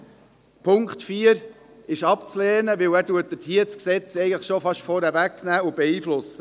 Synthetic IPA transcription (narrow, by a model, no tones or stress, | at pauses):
pʰʊŋkχtfiːəɾ | ɪʃɑpt͡slɛːnəʋɪwæɾtuətdətʰhiət͡sksɛt͡sɛɪɡətləχʃofɑʃfɔɾəvækːnæːub̥ɛiːflʊsə